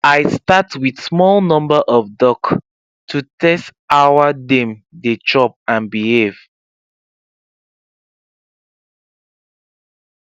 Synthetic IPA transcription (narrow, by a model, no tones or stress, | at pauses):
ajstatwiðsmɔlnɔ̃mbəʔɔvdɔk | tʰutʰɛstawadɛ̃mdet͡ʃɔp̚ãnbihev